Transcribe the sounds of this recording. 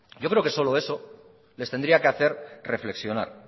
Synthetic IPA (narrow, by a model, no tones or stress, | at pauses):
ɟ͡ʝo̞kɾe̞o̞ke̞so̞lo̞e̞so̞ | lest̪end̪ɾiake̞aθe̞ɾre̞fle̞ksjo̞na̰ɾ